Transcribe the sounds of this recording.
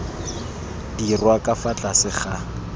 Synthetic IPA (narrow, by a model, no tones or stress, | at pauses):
d̥irwakʼafat͡ɬʼasɪχa